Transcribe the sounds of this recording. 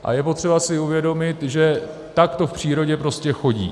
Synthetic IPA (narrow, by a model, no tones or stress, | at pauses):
ʔa̰jɛpo̞t̪r̥ɛbasɪuvjɛdo̞mɪt̪ʒɛ | t̪akt̪o̞fpr̝̥iːɾo̞ɟɛpɾo̞scɛxo̞ɟḭː